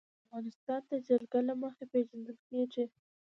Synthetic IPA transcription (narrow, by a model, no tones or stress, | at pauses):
afɣɑnɪst̪ɑnd̪əd͡ʒalɡalaməxepeʒand̪əlkeʐi